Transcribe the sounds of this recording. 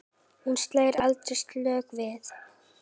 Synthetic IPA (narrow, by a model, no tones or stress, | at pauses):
hunst̪laːjɾalt̪ɾɪst̪lœːɣvɪθ